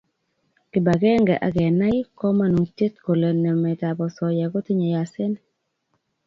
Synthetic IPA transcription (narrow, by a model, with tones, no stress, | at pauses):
kɪ˨ba˨ɡɛ˦ŋɡɛ˨ʔa̰˨ɡɛ˨na˦ɪ˦kɔ˦ma˦nu˨te˦t̪ko˨le˨nɛ˨mɛ˨ta˨bɔ˨sɔ˨ja˨ɡo˦tɪ˦ɲɔ˨ja˨sɪ˦n